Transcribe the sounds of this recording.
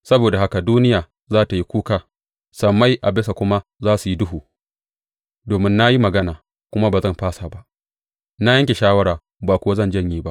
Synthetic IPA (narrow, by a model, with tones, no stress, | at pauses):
sɐ˦boː˨da˨ɦa˦ka˨duː˦nɪ˦jaː˨ | zaː˦ta˨ji˦kʷuː˦kaː˨ | sɐ˨mːa˦jʔa˨bɪ˦sa˨kʷʊ˦ma˦zaː˦su˨ji˦dʊ˦ɦuː˨ | doː˨mɪ˦nːa˦ji˦mɐ˨ɡɐ˦naː˨ | kʷʊ˦ma˦baː˨zɐ˦˨mɸaː˦sa˨ba˦ʔ | na˦jɐ˦ŋkʲe˨ʃaː˦wɐ˦ɽaː˨ | baː˨kʷʊ˦wa˦zɐ˦˨nd͡ʒɐ˦˨ɲjiː˦ba˦ʔ